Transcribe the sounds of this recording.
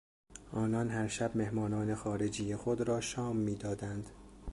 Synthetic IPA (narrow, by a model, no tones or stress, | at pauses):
ʔɒːnɒnɦæɾʃæbme̞hmɒːnɒːne̞xɒːɾe̞d͡ʒiːjexod̪ɾɒːʃɒːmːiːd̪ɒːd̪ænd̪̥